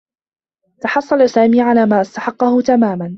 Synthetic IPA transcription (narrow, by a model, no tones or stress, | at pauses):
t̪ɑħɑsˤːɑlasaːmiːʕalaːmaːʔast̪aħɑqːɑhʊt̪amaːman